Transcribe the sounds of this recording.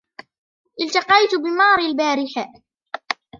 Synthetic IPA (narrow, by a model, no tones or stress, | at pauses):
ʔɪlt̪ɑqɑjt̪bɪmɑːɾˤɪlbaːɾɪħa